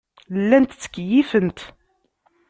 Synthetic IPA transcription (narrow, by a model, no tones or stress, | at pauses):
lːænt̪t͡sːə̥kːjifənt̪